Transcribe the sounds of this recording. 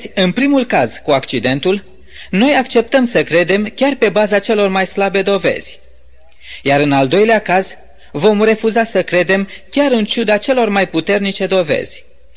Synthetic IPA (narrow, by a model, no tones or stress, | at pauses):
ɨnpɾimulkaz̥kuakt͡ʃid̪e̞nt̪ul | no̞jakt͡ʃe̞p̚t̪əmsəkɾe̞d̪e̞mkʲarpe̞bazat͡ʃe̞lo̞rmajslabe̞d̪o̞ve̞̰z̥ʲ | jaɾɨnald̪o̞jleakaz | vo̞mre̞fuzasəkɾe̞d̪e̞mkʲaɾɨnt͡ʃud̪at͡ʃe̞lo̞rmajput̪e̞rnit͡ʃe̞d̪o̞ve̞̰z̥ʲ